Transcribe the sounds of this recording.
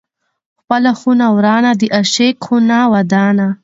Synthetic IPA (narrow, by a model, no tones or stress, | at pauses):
xpalaxunawɾɑːnad̪iʔaʃekxunawad̪ɑːna